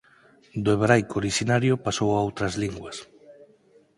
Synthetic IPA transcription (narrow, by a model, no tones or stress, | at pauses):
d̪oeβɾajkooɾiʃinaɾjopasowaowt̪ɾazliŋɡwas